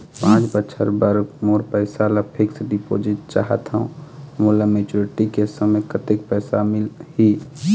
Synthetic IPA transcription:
pãːt͡ʃbətːʃʰəɾbəɾmoːɾpɛːsalapʰɪksɖɪpo̰ːd͡ʒɪt̚t͡ʃa̰ːɦət̪ɦũmuːlameːt͡ʃuɾɪʈikesəməkʰət̪ɪk̚pɛːsamɪlhi

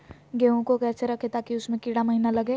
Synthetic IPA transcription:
ɡeːõkokɛːɾt͡ʃəɾɐkʰet̪aːkiʊsmẽkɪɽaməɦinalɐɡe

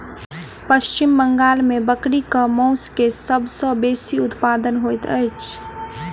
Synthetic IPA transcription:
pəst͡ʃimbəŋɡalmebəkɽikəmɔ̃ʊskesəbʱsɔ̃besiʊt̪pad̪ənɦojt̪ə̰jt͡ʃʰ

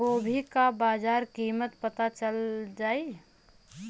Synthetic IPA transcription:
oːbʱikabaːd͡ʒaːɾkiːmət̪pət̪at͡ʃəld͡ʒaːi

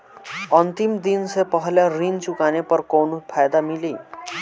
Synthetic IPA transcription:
ʌnt̪imd̪insepʌɦljaɾint͡sukanepʌɾkonupʰajd̪amili

